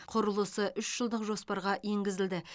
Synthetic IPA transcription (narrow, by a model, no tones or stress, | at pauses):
qʰoɾəlˠəsəʔʏʃʒ̥əlˠd̪əqʒo̞spɑɾʁɑeŋɡʲɪzɪld̪ɪ